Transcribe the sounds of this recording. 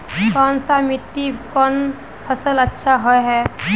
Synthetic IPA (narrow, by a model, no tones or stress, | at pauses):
kɔnsamit̪ːikɔn | pʰəsələtːʃʰaɦɔeɦɛ